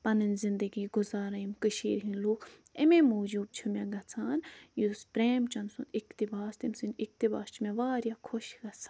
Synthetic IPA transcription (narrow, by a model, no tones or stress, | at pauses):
pɐnɨnzind̪əɡiːɡʊzaːɾɐjimkɨʃḭːɾɦinluːk | ememoːd͡ʒuːb̚t͡ʃʰimeɡɐt͡sʰaːnjuspɾeːmt͡ʃɐnsunikt̪ibaːst̪imsinik̚t̪iba̰ːst͡ʃʰimeʋaːɾjakʰoʃɡɐt͡sʰḁ